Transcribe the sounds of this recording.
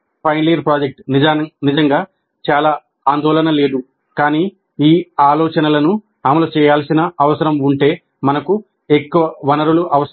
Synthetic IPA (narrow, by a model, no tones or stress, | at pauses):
pʰɐjnlijɐɾpɾaːd͡ʒek̚ʈnid͡ʒaːɐnid͡ʒɐŋɡaː | t͡ʃaːlaː | aːnd̪ɔːlɐnɐle̞ːd̪u | kaːniː | iːaːlɔːt͡ʃɐnɐlɐnu | aːmɐlɐt͡ʃɛːjaːlsinɐːʋɐsɐɾɐmuɳʈe̞ː | mɐnɐku | ekːuʋɐʋɐnɐɾuluʔɐʋɐs